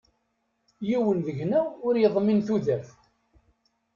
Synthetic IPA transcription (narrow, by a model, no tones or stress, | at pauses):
jiwənðəʝnæʊɾjəðˤminθuðæf